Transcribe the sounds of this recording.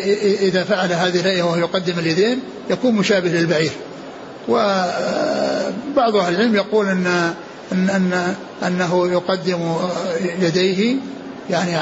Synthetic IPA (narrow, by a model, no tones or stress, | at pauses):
ʔɪðafaʕalaɦaːðɪhɪlhaʔjawahjjʊqɑd̪ːɪmɪljad̪eːn | jakuːnmʊʃaːbɪhlɪlbaʕiːɾ | wɪ | bɑʕðˤʔahlɪlʕɪlmjaquːlʔɪnː | ɪnːanː | ʔanːaɦjʊqɑd̪ːɪm | jad̪ejɦɪ | jaʕni